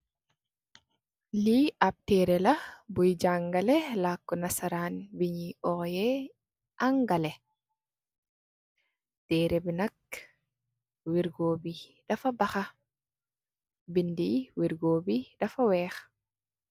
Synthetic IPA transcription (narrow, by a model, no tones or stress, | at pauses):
liʔab̚tɛːɾɛlabujd͡ʒaŋɡalɛlakːɔnasaɾanbiɲiɔjɛ | ʔaŋɡalɛ | tɛɾɛbinak̚ | wiɾɡoːbidafabaxa | bindiwiɾɡoːbidafawɛːx